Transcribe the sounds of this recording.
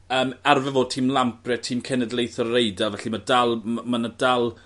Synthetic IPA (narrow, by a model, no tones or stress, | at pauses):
əːmarvɛvoːd̚tʰiːmlˠampʰrɛtʰiːmkʰɛnɛdlˠejθɔrrejdavɛɬimadalˠmanədalˠ